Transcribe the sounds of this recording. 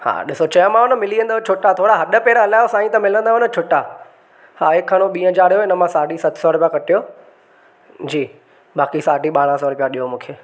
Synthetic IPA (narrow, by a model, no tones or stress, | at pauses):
ha̰ːɗɪsot͡ɕɐjə̃mãʊnə̆mɪliːə̃nd̪at͡ɕʰʊʈat̪ʰoːɽaɦɐɗəpeːɾəɦɐlaːjosaːĩt̪ɐmɪlə̃nd̪aʊnət͡ɕʰʊʈa | haːekʰːaɽ̃oɓiːə̃d͡ʑaːɽjoɪnə̆mãsaːɖʱisɐt̪ʰsɔːɽpijakɐʈijoː | d͡ʑiː | ɓaːkisaːɖiɓaːɽ̃ãs̬ɔːɽpijaɗijomũːkʰeː